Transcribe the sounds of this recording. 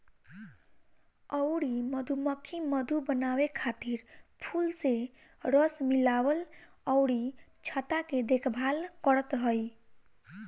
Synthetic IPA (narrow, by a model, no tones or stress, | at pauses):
əwɾiməd̪ʱuməkʰːiməd̪ʱubənawekʰat̪iɾpʰulse | ɾəsmilabəl | əʊɾit͡ʃʰət̪aked̪ekʰbʱalkəɾət̪ɦəj